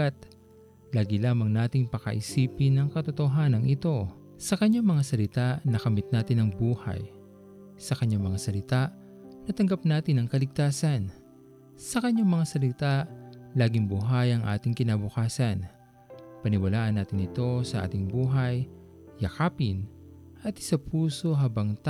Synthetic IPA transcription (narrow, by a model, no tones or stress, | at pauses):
at̪̚ | laːɡɪlaːmɐŋnaːt̪ɪŋpɐkɐ̰ʔɪsiːpɪnːɐŋkɐt̪ot̪oɦanɐŋʔɪt̪o̞ | sɐkɐɲːaŋmɐŋasɐlɪt̪aʔnɐkɐmɪt̪̚naːt̪ɪnɐŋbuːhɐ̰j | sɐkɐɲaŋmɐŋasɐlɪt̪aʔ | nɐt̪ɐŋɡap̚naːt̪ɪnɐŋkɐlɪɡ̚t̪aːsɐn | sɐkɐɲaŋmɐŋasɐlɪt̪aʔlaːɡɪŋbuɦajɐŋʔa̰ːt̪ɪŋkɪnɐbʊkaːsɐn | pɐnɪwɐlaːʔɐnːaːt̪ɪnɪt̪o̞sɐʔa̰ːt̪ɪŋbuːɦɐjː | ɐkaːpɪn | ʔɐt̪ɪ̥sɐpʰuːso̞ɦabɐŋt̪